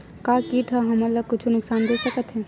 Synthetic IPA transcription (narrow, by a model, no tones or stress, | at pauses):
kakiʈʰəɦəmələɡ̚kʊt͡ʃʰunʊksaːnd̪esəkət̪ɦɛ̃ː